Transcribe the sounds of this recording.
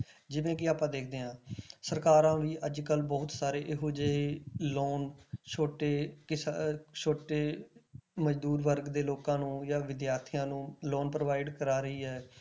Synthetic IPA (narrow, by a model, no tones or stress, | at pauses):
d͡ʒɪʋẽːkɪaːpãːd̪eːk̚ʰd̪eːɦãːsəɾkaːɾãːʋiːʔəd͡ʒkəlbɔːt̪saːɾeːʔɪɦoːd͡ʒəeːloːnt͡ʃʰoːʈeːkɪst͡ʃʰoːʈeː | məd͡ʒd̪uːɾʋəɾɡd̪eːloːkãːnũːjaːʋɪd̪jaːɾt̪ʰijãːnũːloːnpɾʋaːɪɖkəɾaːɾəiːɦɛː